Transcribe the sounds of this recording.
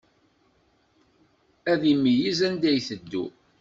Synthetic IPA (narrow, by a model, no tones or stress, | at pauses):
æðimːijizænd̪æjθəd̪ːṵ